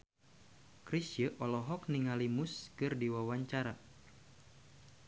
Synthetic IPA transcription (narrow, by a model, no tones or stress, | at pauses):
kɾisjəʔɔlɔɦɔk̚niŋalimʊskɨrdiwawaɲt͡ʃaɾa